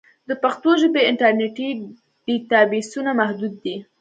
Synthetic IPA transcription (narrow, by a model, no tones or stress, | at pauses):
d̪əpaxt̪oʒəbeɪɳʈaɾneʈi | ɖ̥it̪abisunamahd̪ud̪̚ːi